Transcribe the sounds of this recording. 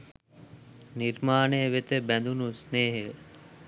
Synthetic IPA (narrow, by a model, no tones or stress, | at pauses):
niɾmaːneʋet̪əbænd̪unusneːɦe